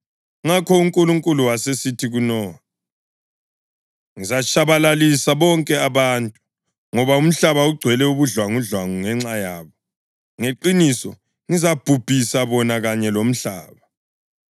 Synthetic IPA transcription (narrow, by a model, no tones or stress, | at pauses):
ŋakʰɔuŋkʼuluŋkʼuluwasesitʰiɣunɔ | ŋizat͡ʃʰʼaβalalisaβɔŋkʼɛaβantʼu | ŋɔβaum̩ɬaβauɡ͡ǀʱwɛlɛuβuɮwaŋuɮwaŋuŋɛŋ͡ǀajaːβɔ | ŋeǃinisɔ̰ | ŋizab̥ʱub̥ʱisaβɔnaɣaɲɛlom̩ɬa̰ːβa